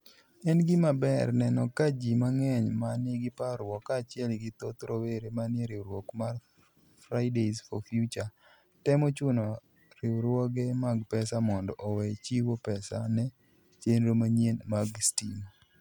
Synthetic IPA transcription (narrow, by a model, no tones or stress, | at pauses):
ɛnɡɪmabɛrnɛnɔkad͡ʒimaŋɛɲmanɪɡɪpaɾwɔkat͡ʃɪɛlɡɪt̪ot̪ɾoweɾemanɪeɾɪwɾwokmar | fɾaɪdezfɔfjut͡ʃa | tɛmɔt͡ʃʊnɔ | ɾɪwɾwɔɡemaɡpɛsamɔndɔʔɔwɛt͡ʃiwopɛsa̰nɛ | t͡ʃenɾomaɲienmaɡstimo